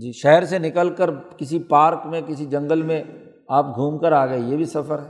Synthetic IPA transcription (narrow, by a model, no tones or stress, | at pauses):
d͡ʒiːʃɛɦəɾsenɪkəlkəɾkɪsipaːɾkmẽkɪsid͡ʒɐ̃ŋɡəlmẽ | aːp̚ɡʱuːmkəɾaːɡɐejeːbʱisɐfəɾɦɛː